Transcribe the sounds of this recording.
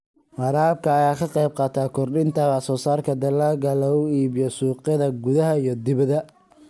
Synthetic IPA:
ʕɑɾaːb̚kʰɐːjaːkʰɐqɑjb̚qɑːt̪ʰaːkʰɔrɗɪnt̪ʰɐβɑsɔːsaːrkʰɐd̪ɐlaːɡɐlɐɣʊiːβɪjɔsuːqɪðɐɡʊðɐɦɐijɞd̪ɪβɐðɐ

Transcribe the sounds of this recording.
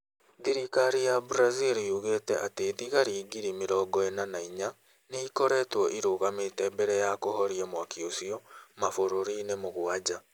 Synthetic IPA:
ðiɾikaɾijabuɾaziɾijuɣetɛʔateðiɣaɾiːɡiɾimeɾɔːɡɔenanaiɲa | neikoɾɛːtwɔʔiɾoɣametɛːbɛɾɛjakohɔɾiɛmwakiosiɔmafoɾoɾinemoɣwad͡ʑa

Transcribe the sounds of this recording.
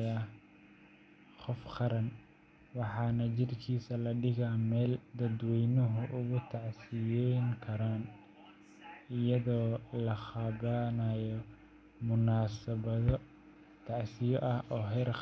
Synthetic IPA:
a | qɔfqɑɾɐn | wɑħɑːnɐt͡ʃɪrkʰiːsɐlɐɖɪɣaːmɛːld̪ɐd̪wɛjnɔɦʊʔʊɣʊt̪ʰɑʕsɪjɛŋkʰɐɾaːn | ɪjɐðɔːlɐχɑβɐnajɔ | mʊnaːsɐβɐðɔ | t̪ʰɑʕsɪjɔʔɐhʔɔːɦɛɾ

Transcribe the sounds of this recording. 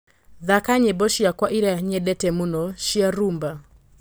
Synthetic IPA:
ðakaɲebɔʃiakwaʔiɾaɲɛdɛtɛmunɔʃiaɾumba

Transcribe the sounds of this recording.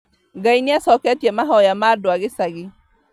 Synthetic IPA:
ɡainɪasɔkɛtiɛmaɦɔjamadwaɣɪsaɣɪ

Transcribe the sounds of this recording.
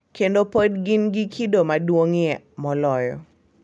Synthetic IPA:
kendopodɡinɡikʰidomadwoŋjɛ | mɔlɔjɔ̰

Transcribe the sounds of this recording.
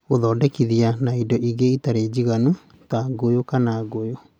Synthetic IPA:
ɣoðɔːdɛkiðianaidɔʔiɣeitaɾed͡ʑiɣanu | taɡojokanaɡojo

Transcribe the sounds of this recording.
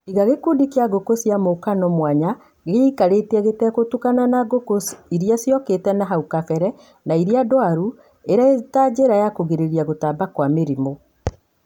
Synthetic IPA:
iɣaɣekudikeaɣokosjamokanɔmwaɲa | ɣeikaɾetɛɣetɛkotukananaɣokosiɾijasjɔketɛnaɦaukafɛɾɛ | naiɾiadɔaɾu | eɾaetad͡ʑeɾajakoɣeɾeɾiaɣotaːbakwameɾimo

